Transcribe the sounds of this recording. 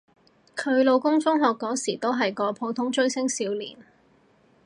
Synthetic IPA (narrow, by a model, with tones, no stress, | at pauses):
kʰɵ˨˧ɥlo˨˧wkʊ˥ŋfʊ˥ŋɦɔː˨kːɔː˨˥siː˨˩t̪o˥wɦɐ˨jkɔː˨˧pʰo˨˧˥wt̪ʰʊ˨˥ŋt͡ʃɵ˥ɥsɪ˥ŋsiː˨˧wlḭː˨˩n